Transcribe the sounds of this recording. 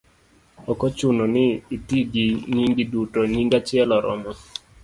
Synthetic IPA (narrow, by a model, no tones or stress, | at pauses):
ɔkɔt͡ʃʊnɔnɪitiɡiɲiŋɡidutɔɲiŋɡat͡ʃɪɛlɔɾɔ̰mɔ